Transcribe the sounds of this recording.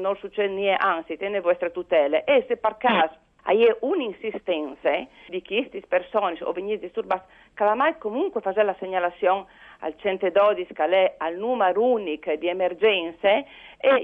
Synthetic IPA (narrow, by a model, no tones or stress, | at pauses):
nɔlsut͡ʃːɛd̪nieʔaŋsit̪ɛnevwɛst̪ɾet̪ut̪ɛleʔesepaɾkas | a̰jeʔuninsist̪ɛnse | d̪ikist̪ispeɾsɔniso̰veɲisd̪ist̪uɾbas | kalamajkomuŋkwefad͡ʒɛlaseɲalasjɔŋa̰lt͡ʃɛnt̪ed̪ɔd̪iskalɛalnumeɾunikd̪iemeɾd͡ʒɛnsee